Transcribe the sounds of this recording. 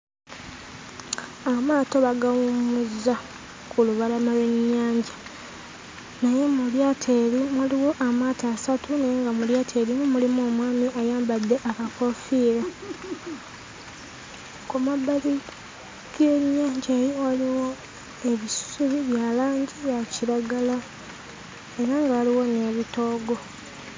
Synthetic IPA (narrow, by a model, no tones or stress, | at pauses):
amaːtoβaɡawumuzːa | kuluβalamaleɲːaːɲɟa | naje̞muljaːtʰeːɾimuliwo̞ʔamaːtaːsatunejeŋɡamuljaːtʰeːɾimumulimoːmwaːmiʔajaːmbad̪ːe̞ʔakakofiːɾa | kumabːali | kiweɲːaːɲɟaeːjowaliwo | e̞βisu̥suβiβjalaːɲɟijaciɾaɡala | e̞ɾaŋɡawaliwo̞ne̞βito̞ːɡo̞